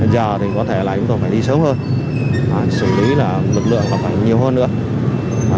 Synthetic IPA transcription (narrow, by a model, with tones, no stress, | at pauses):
zəː˨˩t̪ʰi˨˩kɔ˨˦t̪ʰe˧˩laː˨˩t͡ɕʊ˨˦ŋ͡mt̪o˧˩faː˧˩jɗi˧sə˨˦wŋ͡mhəː˧n | ʔaː˨˦sɨ˧˩li˨˦laː˨˩lɨ˨˩k̚lɨ̰˧˨əŋmaː˨˩faː˧˩jɲi˨˩əwɦəː˧nːɨ̰˧˥ə˨